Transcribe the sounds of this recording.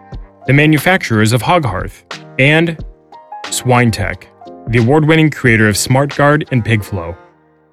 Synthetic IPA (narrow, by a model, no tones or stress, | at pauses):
ðɨmæ̃njɨfæk̚t͡ʃə˞əzʌv̥hɑɡɦɑ̰ɹθɨ̃n | swãɪ̃ntʰɛ̰kðiɨwɔɹd̚wɪ̃ñɪ̃ŋkʰɹ̥ieɪɾə˞ʌv̥smɑɹt̚ɡ̥ɑɹɾɨ̃npʰɪɡflo̰ʊ